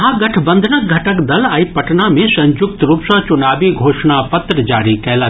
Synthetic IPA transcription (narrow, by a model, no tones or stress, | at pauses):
ɦãːɡɐʈʰbɐ̃nd̪ʱnək̚ɡʱɐʈəkd̪ɐlaːipɐʈnamẽsɐ̃ɲd͡ʒʊk̚t̪ɾupsãt͡ʃʊnaːbiɡʱoːʃɳapɐt̪ɾəd͡ʒaːɾikɐɦlaː